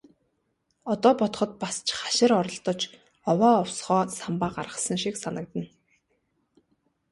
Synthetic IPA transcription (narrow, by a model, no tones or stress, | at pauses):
ɔt̪ɔːpɔt̪̆χɞ̆t̪̚past͡ɕʰχaʃɪ̆ɾɔɾɞ̆ɬt̪ɞ̆t͡ɕ | ɔwɔːɔwsχɔːsampaːɢarʁə̆sə̆ŋʃiksanə̆k̚t̪ə̆n